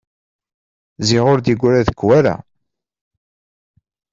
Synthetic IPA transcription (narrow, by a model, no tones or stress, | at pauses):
ziʁʊɾd̪iɡʷːɾæðəkːwæɾa̰